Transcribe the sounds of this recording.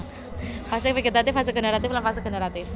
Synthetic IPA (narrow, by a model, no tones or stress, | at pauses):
fasɪŋfiɡet̪at̪ɪfhas̬əɡ̥ənəɾat̪ɪflanfas̬əɡ̥ənəɾat̪ɪf